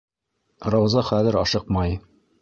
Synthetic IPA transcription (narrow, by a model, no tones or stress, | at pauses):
rɑwzɑχæðɘ̆ɾɑʃɤqmɑj